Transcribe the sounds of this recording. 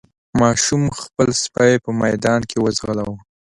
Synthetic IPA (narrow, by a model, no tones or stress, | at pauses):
mɑʃumxpəlspajpəmajd̪ɑnkʰewəzɣəlawə